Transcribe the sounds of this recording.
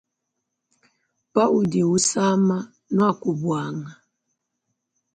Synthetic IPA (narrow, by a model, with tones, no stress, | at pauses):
pa˦ʔu˨de˨u˦sa˦ma˦ | nu˦a˦˨ku˨bwa˨ŋa˨